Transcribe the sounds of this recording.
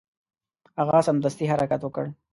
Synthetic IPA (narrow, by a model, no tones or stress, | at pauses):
haɣasamd̪ast̪iɦaɾakat̪wəkəɽ